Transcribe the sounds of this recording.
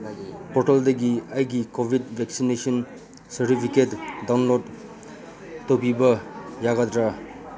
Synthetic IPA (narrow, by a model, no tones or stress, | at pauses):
pɔɾteldɐɡiajɡikobʱidvʱɛksinesɔn | sɐɾtipʰiketdawnlod | topibɐjaɡadɾa